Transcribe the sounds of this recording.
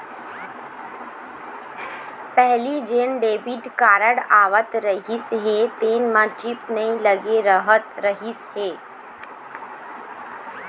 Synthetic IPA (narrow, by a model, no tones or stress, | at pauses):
pɛɦlid͡ʒeːnɖeːʋɪʈkaːɾəɽaːʋət̪ɾəɦisɦeːt̪eːnmãt͡ʃɪpnɐĩləɡeɾəɦət̪ɾəɦisɦeː